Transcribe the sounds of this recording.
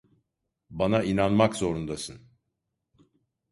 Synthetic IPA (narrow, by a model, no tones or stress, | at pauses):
banainanmakzo̞ɾund̪asɯn